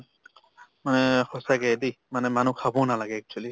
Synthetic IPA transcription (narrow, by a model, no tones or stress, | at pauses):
manɛhɔsaɡɛdi | manɛmanukʰabɔnalaɡɛːk̚t͡ʃʰuali